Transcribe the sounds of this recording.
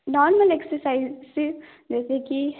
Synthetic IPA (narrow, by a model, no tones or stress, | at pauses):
nɔːɾməleksəɾsaizsi | d͡ʒɛːseki